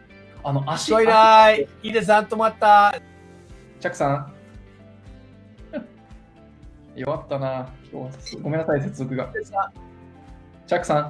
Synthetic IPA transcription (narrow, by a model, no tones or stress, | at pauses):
ano̞ʔaɕioiɾaiiːd̪ez̬ãnt̪omoat̪ːa | t͡ɕakɯ̟̥sã | joβat̪ːanakʲo̰ːsɡo̞menasais̬e̞t͡sɨzo̞k̬ɯ̟ɡaesa | t͡ɕakɯ̟̥sã